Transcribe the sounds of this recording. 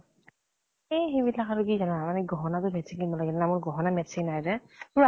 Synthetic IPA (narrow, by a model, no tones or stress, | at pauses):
ejxejbilakaɹʊkizanaamanɛɡɔɦɔnatʊmɛtsinkinbɔlaɡɛlɛnamʊɹɡɔɦɔnamɛtsinajzɛtʊɹa